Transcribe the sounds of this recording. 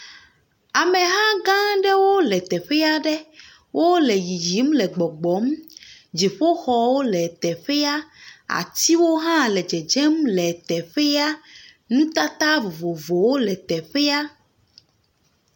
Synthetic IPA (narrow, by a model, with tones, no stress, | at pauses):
a˨mɛ̃˨ɦã˦ɡã˦ɖɛ˦wo˦lɛ˨t̪ɛ˨ɸɛ˦a˦ɖɛ˦ | wʔo˦lɛ˨ji˨d͡ʒi˨˦mlɛ˨ɡ͡bɔ˨ɡ͡bɔ˨˦md͡ʒi˨ɸo˦xɔ˨wo˦lɛ˨t̪ɛ˨ɸɛ˦a˦a̰˨t̪i˦wo˦ɦã˦lɛ˨d͡ʒɛ˨d͡ʒɛ˦mlɛ˨t̪ɛ˨ɸɛ˦a˦ | nũ˦t̪a˦t̪a˦vo˨vo˨vo˨wo˦lɛ˨t̪ɛ˨ɸɛ˦a˦